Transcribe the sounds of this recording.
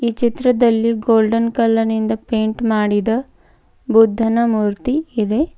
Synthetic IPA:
iːt͡ʃit̪ɾɐd̪ɐlːiɡoːlɖɐnkɐlːɐnind̪ɐpeːɳʈmaːɽid̪ɐ | bud̪ʱːɐnɐmuːɾt̪iːd̪e̞

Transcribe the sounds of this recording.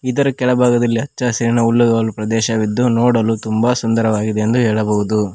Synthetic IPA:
id̪ɐɾɐkɛɭɐbʱaːɡɐd̪ɐlːiɐt͡ʃːɐsiɾinɐulːuɡɐːɐlupɾɐd̪ɛːʃɐʋid̪ːunoːɽɐlut̪umbɐsund̪ɐɾɐʋaːɡid̪eend̪uɦɛːɭɐbɐɦud̪u

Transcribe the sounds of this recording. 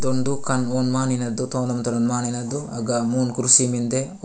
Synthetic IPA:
d̪oɳɖukɐnonmaːninɐd̪ːut̪oːnɐmt̪ɐnɐnmaːninɐd̪ːuɐɡamuːnkuɾsimind̪e

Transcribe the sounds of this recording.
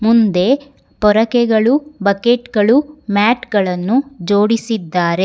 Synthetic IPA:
mund̪e̞ | pɔɾɐkɛɡɐɭubɐkeʈɡɐɭumaːʈɡɐɭɐnːud͡ʒoːɽisid̪ːaːɾe̞

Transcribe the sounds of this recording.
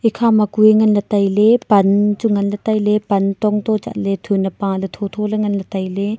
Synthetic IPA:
ʔikʰamɐkueŋɐnlɐtɐjlepɐnt͡ʃuŋɐnlɐtɐjlepɐntɔŋt̪ɔt͡ʃa̰ʔ̚let̪ʰunɐpãlet̪ʰɔt̪ʰɔleŋɐnlɐt̪ɐjle

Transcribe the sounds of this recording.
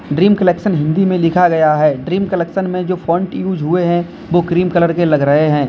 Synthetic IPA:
ɖɾiːmkəlɛːkʃənɦɪ̃nd̪imẽlɪkʰaɡɐjaɦɛːɖɾiːmkəleːkʃənmẽd͡ʒoːfɔːɳʈjuːd͡ʒɦʊeɦɛ̃ | ʋokɾiːmkɐləɾkelɐɡɾɐɦeɦɛ̃ː

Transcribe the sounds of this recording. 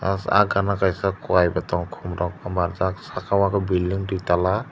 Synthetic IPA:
a̰sa̰ɡanakajsakuajbatɔŋkʰumɾɔk̚amaɾzaksakʰawakabilːiŋɾitala

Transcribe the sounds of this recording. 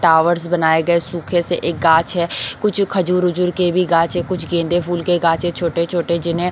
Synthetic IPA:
ʈaːʋəɾsbənaːeɡɐesuːkʰeseʔeːk̚ɡaːt͡ʃɦɛkʊt͡ʃʰkʰəd͡ʒuːɾʊd͡ʒʊɾkebʱiɡãːt͡ʃɦɛkʊt͡ʃʰɡẽːnd̪epʰuːlkeɡaːt͡ʃet͡ʃʰoːʈet͡ʃʰoːʈed͡ʒɪnɦẽ

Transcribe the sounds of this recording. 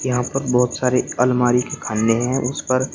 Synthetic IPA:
jɐɦãpɐɾbɔːt̪saːɾeɐlmaːɾikekʰãːnːeɦɛ̃ʔʊspɐɾ

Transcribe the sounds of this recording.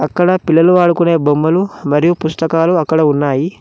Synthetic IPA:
ɐkːɐɽɐpilːɐluaːɽukune̞ːbomːɐlumɐɾijupust̪ɐkaːluɐkːɐɽɐunːaːji

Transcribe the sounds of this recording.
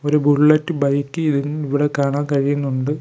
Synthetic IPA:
oɾubulɭːɐtːɨbɐjkːɨiðiniʋiɽekaːɳaːnkɐɻijunːuɳɖɨ

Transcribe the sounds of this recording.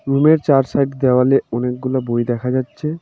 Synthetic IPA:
ɾumeɾt͡ɕaɾsajʈd̪eoaleɔnek̚ɡulabojd̪ɛkʰad͡ʑatːɕʰe

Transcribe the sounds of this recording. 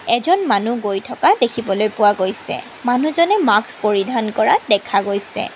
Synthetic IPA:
ɛzɔnmanuɡojtʰɔkadekʰibɔlojpʊwaɡojsɛ̰ | manuzɔnɛmakspoɹidʱankɔɹadɛkʰaɡojsɛ̰

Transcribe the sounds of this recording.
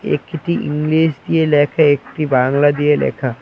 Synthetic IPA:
ḛːkːiʈiʔḭŋɡliːʃd̪ijeleːkʰaeːkʈibãːŋlad̪ielḛːkʰa

